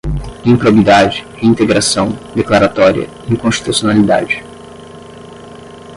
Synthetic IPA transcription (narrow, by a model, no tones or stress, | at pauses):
ĩpɾobid̪ad͡ʒɪheĩnt̪eɡɾasɐ̃w̃d̪eklaɾat̪ɔɾiɐ̰ | ikõʃt͡ʃi̥t̪usionalid̪a̰d͡ʒɪ